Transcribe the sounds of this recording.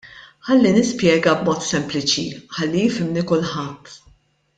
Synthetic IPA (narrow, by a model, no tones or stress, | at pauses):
ħɐlːinɪspjɛːɡɐbmɔːt̪sɛmplɪt͡ʃiħɐlːijɪfɪmnikʊlħɐt̪ː